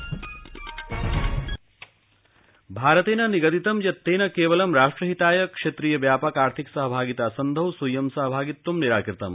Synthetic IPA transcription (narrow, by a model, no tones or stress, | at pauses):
bʱaːɾɐt̪eːnɐniɡɐt̪it̪ɐmjɐt̪ːeːnɐkeːʋɐlɐmɾaːʂʈɾɐɦit̪aːjɐkʂet̪ɾiːjɐʋjaːpɐkaːɾt̪ʰiksɐɦɐbʱaːɡit̪aːsɐnd̪ʱɐwswɐjɐmsɐɦɐbʱaːɡit̪ːumniɾaːkɾit̪ɐm